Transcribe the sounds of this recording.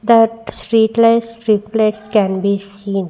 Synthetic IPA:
d̪aʈsʈɾiːʈlaɪsɾiflekskɛ̃nbiːsiːn

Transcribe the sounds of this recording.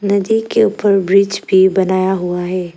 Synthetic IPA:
nɐd̪ikeuːpəɾbɾiːt͡ʃbʱibɐnaːjaɦuaɦɛː

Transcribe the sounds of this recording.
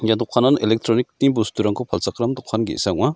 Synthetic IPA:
jad̪ɔkʰananelek̚tʰɾɔnik̚tiŋbustuɾaŋkʰɔpʰalsakɾamdɔkʰːanɡḛsak̚ma

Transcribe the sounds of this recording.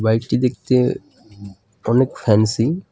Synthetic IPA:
bajʈʈid̪ek̚t̪e | ɔnekfʰɛnsi

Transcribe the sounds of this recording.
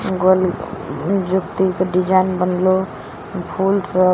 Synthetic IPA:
ɡolnd͡ʒukt̪ikeɖid͡ʒajnbənlo | pʰulsə

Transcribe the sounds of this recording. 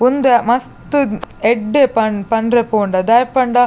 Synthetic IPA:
ʊnd̪ɐmɐst̪ɯɛɖːepɐnpɐnrɐpoːɳɖɐd̪ɐjɾpɐɳɖa

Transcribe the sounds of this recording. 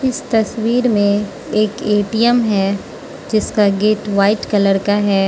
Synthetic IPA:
ɪst̪ɐswiːɾmẽ | eːkeːʈijəmɦɛː | d͡ʒɪskaɡeːʈʋaːɪʈkɐləɾkaɦɛː

